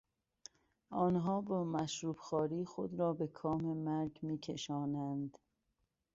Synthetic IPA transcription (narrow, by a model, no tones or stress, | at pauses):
ʔɒːnɦɒːbɒːmæʃɾuːbxɒːɾiːxod̪ɾɒːbekʰɒːmemæɾɡmiːkʰḛʃɒːnænd̪